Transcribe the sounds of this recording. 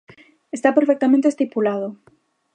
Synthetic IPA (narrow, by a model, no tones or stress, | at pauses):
est̪apeɾfek̚t̪amẽnt̪est̪ipulaðo